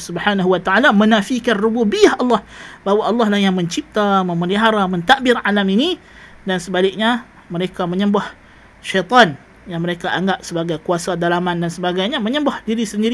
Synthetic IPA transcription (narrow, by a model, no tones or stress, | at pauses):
subħanaɦuwat̪aʕalamənafikanrububiahɑlːɑhbawaʔɑlːɑhlahjaŋməɲt͡ʃip̚t̪aməməliɦaɾamənt̪aʔbɪralamini | dansəbalɪk̚ɲa | məɾekaməɲə̃mbah | ʃɛjt̪ˤɔn | jaŋməɾekaʔaŋɡap̚səbaɡajkuasadalamandansəbaɡajɲamə̃ɲə̃mbahdiɾisəndiɾ